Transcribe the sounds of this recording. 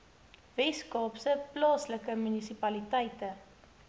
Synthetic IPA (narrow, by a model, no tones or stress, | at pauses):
veskɑːpsəplɑːsləkəmynisipɐlitɛjtə